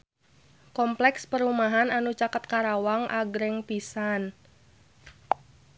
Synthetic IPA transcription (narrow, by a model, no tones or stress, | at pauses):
kɔmplɛkspəɾumaɦananut͡ʃakət̪̚kaɾawaŋʔaɡɾɛŋpisan